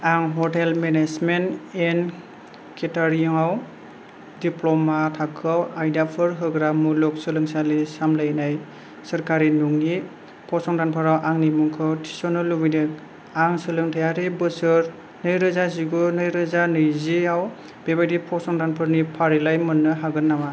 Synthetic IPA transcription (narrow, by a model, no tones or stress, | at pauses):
aŋɦɔtelmenesmenen | kʰetaɾiɔŋaw | diplɔmatʰakʰɯawajdapʰɯɾɦɯɡɾamulɔk̚sɯlɯŋsalisamlajnaj | sɯɾkaɾinuŋni | pʰɔsɔŋdanpʰɯɾawʔaŋnimuŋkʰɯwtʰi̥sɔnɯlːubijnɯk | aŋsɯlɯŋtʰɯjaɾebɯsɯɾ | nɯjɾɯzaziɡɯnɯjɾɯzanɯjziaw | bebajdipʰɔsɔŋdanpʰɯɾnipʰaɾilajmɯnːɯɦaɡɯnːama